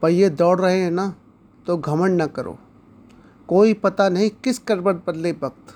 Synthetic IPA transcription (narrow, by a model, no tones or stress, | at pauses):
pɐɾjed̪ɔːɽɾɐɦẽɦɛ̃na | t̪oɡʱɐməɳnɐkɐɾo̰ː | koːipɐt̪anɐɦĩkɪskɐɾbəɽ̚bɐd̪lebɐk̚t̪